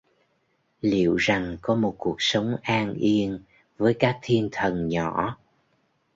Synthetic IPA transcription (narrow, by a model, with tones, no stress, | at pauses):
lḭ˧˨əwza˨˩ŋkɔ˨˦mo˨˩t̚ku˨˩ək̚sə˨˦wŋ͡mʔaː˧nʔi˧ən | vəː˨˦jkaː˦˥k̚t̪ʰi˧ənt̪ʰə˨˩nɲɔ̰˧˩˨